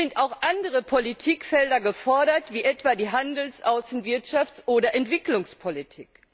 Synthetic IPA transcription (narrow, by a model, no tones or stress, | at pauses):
ɪntaʊxʔandəʁəpʰolitʰiːkfɛldɐɡəfɔɐɾɐtv̥iːʔɛtv̥aːdiːɦandl̩sʔaʊsn̩vɪɐtʃaft͡sʔoːdɐʔɛntv̥ɪklʊŋspʰolitʰḭːk